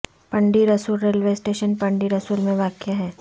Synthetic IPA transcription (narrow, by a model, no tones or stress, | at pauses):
pɐ̃ɳɖiɾɐsuːlɾeːlʋeːsʈeːʃənpɐ̃ɳɖiɾɐsuːlmẽʋaːkjaɦɛː